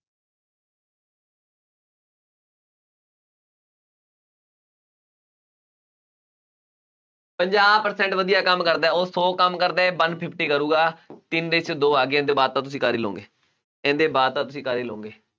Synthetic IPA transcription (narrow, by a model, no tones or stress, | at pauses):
pəɲd͡ʒaːbpəɾsɛ̃ɳʈʋəd̪ijaːkəmkəɾd̪aːoːsoːkəmkəɾd̪aːbənpʰɪpʰʈiːkəɾuːɡaːt̪ɪnd̪et͡ʃʰd̪oːaːɡeẽːnd̪eːbaːd̪̚t̪ãːt̪̬ʊs̬ĩːkaːɾiːlõ̰ːŋɡeː | ɛ̃ːnd̪eːbaːd̪̚t̪ãːt̪ʊsĩːkaːɾiːlõ̰ːŋɡeː